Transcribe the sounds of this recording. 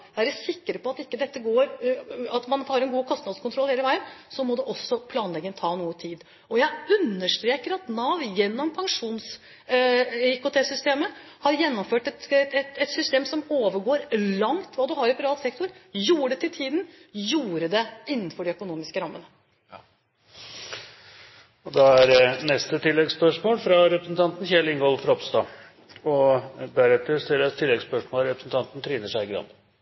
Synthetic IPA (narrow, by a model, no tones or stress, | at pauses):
ʋæːɾəsɪkːəɾəpɔɑt̪ɪkːəd̪ɛt̪ːəɡoːɾɑt̪mɑnhɑɾɛnɡuːkʰɔst̪nɑd̪skʰɔnt̪ɾɔlːheːləʋæɪənsɔmɔd̪ɛʔɔsːɔpʰlɑːnlɛɡːənt̪ʰɑːnuːət̪ʰiːd̪ | ɔjæɪʉnːəʂʈ̪ɾeːkəɾɑt̪nɑːʋjɛnːɔmpʰɑŋʂuːns | ɪkʊt̪ʰeːsʏst̪eːməhɑɾjɛnːɔmføːʈɛt̪ɛt̪ɛt̪sʏst̪eːmsɔmoːʋəɾɡoːɾlɑŋt̪ʰʋɑːd̪ʉhɑɾɪpʰɛɾɑːlt̪sɛk̚t̪ʊɾjuːəɖɛt̪ʰɪlt̪ʰiːd̪n̩juːɾəd̪ɛɪnːən̩fɔɖɛœkʊnuːmɪskəɾɑmːənə | ɔd̪ɑæɾnɛst̪ət̪ʰɪlːɛɡspœʂmoːlfɾɑɾɛpɾəsn̩t̪ʰɑnt̪n̩çɛlɪŋɡɔːlfɾɔpst̪ɑ̰ | ɔd̪æɾɛt̪ːəɾst̪ɪɾət̪ʰːɪlːɛɡspœʂmoːlɾɛpɾsn̩t̪ʰɑnt̪n̩t̪ʰɾiːnəʂæɪɡɾɑ̰nd̪